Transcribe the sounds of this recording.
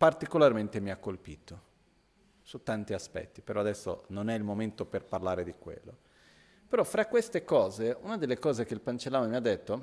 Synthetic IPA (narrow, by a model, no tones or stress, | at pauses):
part̪ikolarment̪emiakːolpiːt̪o | sut̪ːant̪iaspɛ̰t̪ːipeɾɔad̪ɛsːo̰nonɛilmoment̪operparlaːɾed̪ikwḛlːo̰ | peɾɔfɾakwest̪ekɔːzeunad̪elːekɔːzek̟eilpant͡ʃelːaːnomiad̪ːet̪ːo